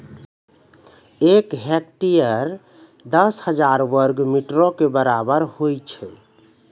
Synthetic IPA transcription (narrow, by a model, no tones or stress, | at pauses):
ekɦɛkʈijəɾ | d̪əshəd͡ʒaɾʋəɾɡmiʈɾɔ̃kebəɾabəɾhojt͡ʃʰɛ̰